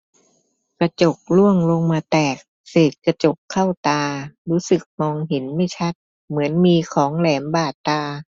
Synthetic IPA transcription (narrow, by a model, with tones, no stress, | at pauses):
kɾa˧t͡ɕo˨˩k̚lu˥˩əŋlo˧ŋmaː˧t̪ɛː˨˩k̚ | seː˨˩t̪̚ka˧t͡ɕo˨˩kʰːa˥˩wt̪aː˧ɾuː˦˥sɯ˨˩k̚mɔː˧ŋɦe˩˦nma˥˩jt͡ɕʰa˦˥t̪̚ | mɯ˩˦ənmiː˧kʰɔː˩˦ŋlɛː˩˦mbaː˨˩t̪ːaː˧